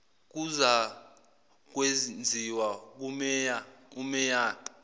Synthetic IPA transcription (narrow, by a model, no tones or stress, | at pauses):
k̬uza | k̬wend͡zʱiwak̬umɛjaumɛjaː